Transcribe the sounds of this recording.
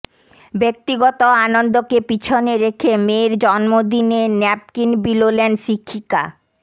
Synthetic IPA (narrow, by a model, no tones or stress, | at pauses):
bek̚t̪iɡɔt̪oanond̪okepit͡ɕʰoneɾekʰemeɾd͡ʑɔnmod̪inenɛp̚kinbilolenʃikʰːika̰